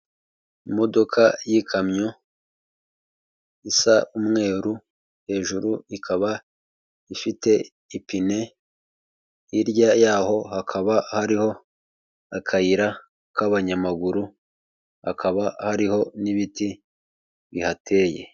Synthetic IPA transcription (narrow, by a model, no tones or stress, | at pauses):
imo̞do̞kʰajikʰamɲo | isaʔumŋe̞ːɾu | he̞ːʒuɾuikʰaβa | ifite̞ | ipine̞ | iɾɟajaːho̞hakʰaβahaɾiho̞ | akʰajiɾa | kaβaɲamaɡuɾu | ha̰kʰaβahaɾiho̞niβiti | βihatʰe̞ːje̞̰